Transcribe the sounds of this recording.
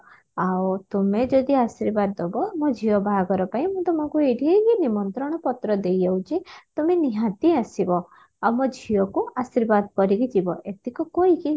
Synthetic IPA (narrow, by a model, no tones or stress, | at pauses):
awt̪umed͡ʒɔd̪iasiɾbad̪ːɔbɔmɔd͡ʒʱiɔbʱaɡɔɾɔpaĩmũt̪ɔmɔ̃kueɖʱiɦekinimɔnt̪ɾɔɽ̃ɔpɔt̪ɾɔd̪ejewt͡ʃʰit̪umeniɦãt̪iasibɔ | awmɔd͡ʒʱiɔkuasiɾbad̪kɔɾiɡid͡ʒibɔʔet̪ikukoiki